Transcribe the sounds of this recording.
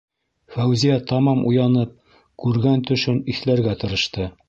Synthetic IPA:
fæwzijæt̪ɑmɑmʔujɑnɤp̚ | kʉɾɡænt̪ɵ̆ʃɵniθlæɾɡæt̪ɤ̆ɾɤ̆ʃt̪ɤ

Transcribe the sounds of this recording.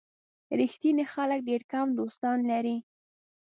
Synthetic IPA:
ɾixt̪inexalək̚ɖeɾkamd̪ost̪ɑnlaɾi

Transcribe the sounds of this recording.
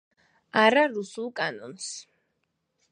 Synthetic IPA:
aɾaɾusulˠkʼanɔns

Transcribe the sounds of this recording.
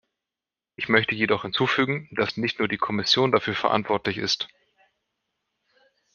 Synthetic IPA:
ʔɪçmœçtəjedɔχhɪnt͡suːfyːɡŋ̩d̥asnɪçtnuːɐdiːkʰɔmɪsjoːndafyːɐfɛɐʔa̰ntv̥ɔɐtlɪçɪ̰st

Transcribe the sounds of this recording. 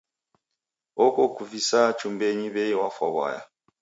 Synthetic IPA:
ɔkɔkuvisat͡ʃumbɛɲiβɛjiwafwa̰βwa̰ja̰

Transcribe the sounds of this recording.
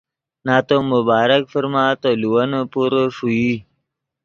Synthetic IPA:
naːt̪omʊbaːɾəkfəɾmaːt̪oluwɐnopuɾoʂui

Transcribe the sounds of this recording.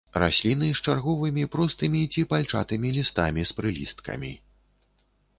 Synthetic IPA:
ra̰sʲlʲinɨst͡ʂarɣɔvɨmʲipɾɔst̪ɨmʲit͡sʲipalʲt͡ʂa̰t̪ɨmʲilʲist̪amʲispɾɨlʲist̪kɐ̰mʲi

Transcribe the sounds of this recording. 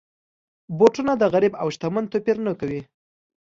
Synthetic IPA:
boʈunad̪əɣaɾibawʃt̪amant̪opeɾnəkawi

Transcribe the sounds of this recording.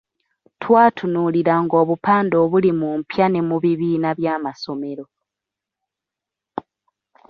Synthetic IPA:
tʰwaːtʰunuliɾaŋɡo̞ːβupaːndo̞ːβulimumpjanemuβiβiːnaβjaːmaso̞me̞ɾo̞

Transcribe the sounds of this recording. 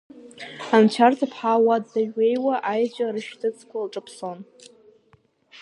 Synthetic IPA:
ant͡ʃʷʰartʰapʰħawadzaɥejwaʔajt͡ʃʷʼarɨʃtʰɨt͡sʰkʷʰalʈ͡ʂʼɨpʰso̞n

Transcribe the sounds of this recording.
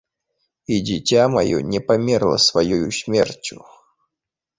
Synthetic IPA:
idʲɪtʲamɐ̰jṵnʲɪpɐmʲerlˠə̰svɐjojusʲmʲḛrtʲʊ

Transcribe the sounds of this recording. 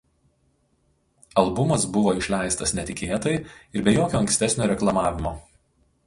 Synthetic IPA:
ɐlˠbʊmɐsbʊʋoːɪʃʲlʲæˑɪst̪ɐsnʲɛt̪ʲɪkʲeːt̪ɐɪɪɾbʲɛjoːkʲoːɐŋksʲt̪ʲɛsʲnʲoːɾʲɛklˠɐmɑːʋʲɪmoː

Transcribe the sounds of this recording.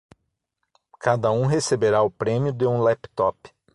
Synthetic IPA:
kad̪ɐũɦesebeɾaʊpɾẽmjʊd̪eũlɛpt̪ɔp

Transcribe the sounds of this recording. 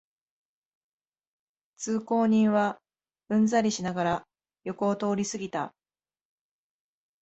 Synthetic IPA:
t͡sɨːko̞ːɲ̟ĩɰ̃βa | ɯ̟̃nd͡zaɾʲiɕinaɡaɾa | jo̞ko̞ːt̪o̞ːɾʲisɨɡʲit̪a̰

